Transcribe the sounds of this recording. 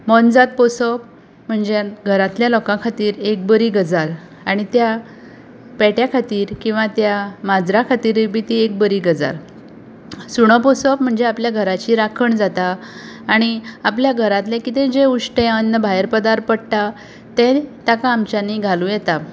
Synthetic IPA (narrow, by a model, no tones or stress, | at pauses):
mɔnd͡zat̪̚pɔsɔp̚ | m̤əɳd͡zeɡʱəɾat̪ljalɔkãkʰat̪iːɾek̚bəɾiːɡəd͡zaɾ | aɽ̃it̪ja | pɛʈjakʰat̪iːɾkĩw̃ʋat̪jamad͡zɾakʰat̪iːɾbit̪iek̚bəɾiɡəd͡za̰ɾ | suɳ̃əpɔsɔpm̤əɳd͡zeapljaɡʱəɾat͡ɕiɾakʰəɳd͡zat̪aː | ɽ̃iapljaɡʱəɾãt̪lɛkit̪ẽd͡ʑeuʂʈẽənːəbʱajɾpəd̪aɾpəɽt̪a | t̪ẽt̪akaːmt͡ɕaniɡʱalujɛt̪a